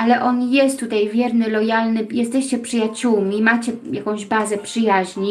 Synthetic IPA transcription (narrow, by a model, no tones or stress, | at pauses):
ʔalɛʔɔnjɛst̪ːut̪ajvʲjɛɾnɘlɔjalnɘjɛst̪ɛɕt͡ɕɛpʂɘjat͡ɕuwmʲimat͡ɕɛjakɔ̃w̃ʑbazɛpʂɘjaʑɲi